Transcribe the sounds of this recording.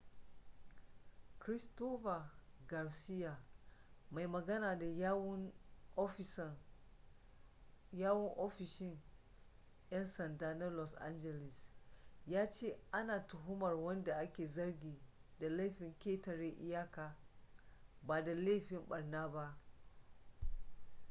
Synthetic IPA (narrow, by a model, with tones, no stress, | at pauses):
kɾɪ˦stoː˦ɸa˨ɡɐ˨rsɪ˦jaː˨ | ma˨jmɐ˨ɡɐ˦naː˨da˨˦w | jaː˦wʊ˦ŋʔo˦ɸɪ˨ʃɪ˦ŋ | jɐ˦nsɐ˨ndaː˦na˦lɔ˨sʔa̰˦nd͡ʒɛ˨lɪ˨sjaː˦t͡ʃeː˦ʔa˦naː˨tʊ˨ɦʊ˦mɐ˨rwɐ˦nda˨ʔa˦kʲeː˨zɐ˦rɡʲiː˨da˨la˦ɸɪ˨ŋkʲeː˦tɐ˨ɾe˦ʔɪ˦jaː˦kaː˨ | baː˨da˨la˦ɸɪ˦mɓɐ˨rnaː˦ba˦ʔ